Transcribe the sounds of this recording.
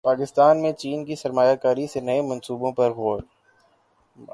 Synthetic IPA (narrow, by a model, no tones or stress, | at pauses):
paːkɪst̪aːnmẽt͡ʃiːnkisɐɾmaːjakaːɾisenɐemɐ̃nsuːbõpɐɾɣɔːɾ